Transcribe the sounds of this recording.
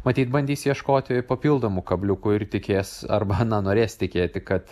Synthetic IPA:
mɐt̪ʲiːt̪bɐnʲd̪ʲiːsjiɛʃkoːt̪ʲɪpɐpʲiːlˠd̪oːmʊkɐbʲlʲʊkʊɪrt̪ʲɪkʲeːsɐ̰rbɐnɐnoːɾʲeːst̪ʲɪkʲeːt̪ʲɪkɐt̪

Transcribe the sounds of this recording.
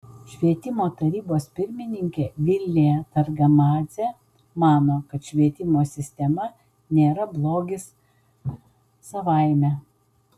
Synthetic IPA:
ʃʲʋʲiɛt̪ʲɪmoːt̪ɐɾʲiːboːspʲɪɾʲmʲɪnʲɪŋʲkʲeːʋʲɪlʲnʲɪjɛt̪ɐɾɡɐmɑːzʲe | mɑːnoːkɐt̪ʃʲʋʲiɛt̪ʲɪmoːsʲɪsʲt̪ʲɛmɐ | nʲeːɾɐblˠoːɡʲɪs | sɐʋɐˑɪmʲɛ

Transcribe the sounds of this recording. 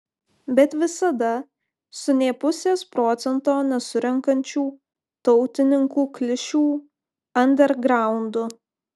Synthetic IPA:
bʲɛt̪ʋʲɪsɐd̪ɐ | sʊnʲeːpʊsʲeːspɾoːt̪sʲɛnt̪oːnʲɛsʊɾʲɛŋkɐnʲt͡ʃʲuː | t̪ɔʊt̪ʲɪnʲɪŋkuːklʲɪʃʲuː | ɐnʲd̪ʲɛɾɡɾɑˑʊnd̪ʊ

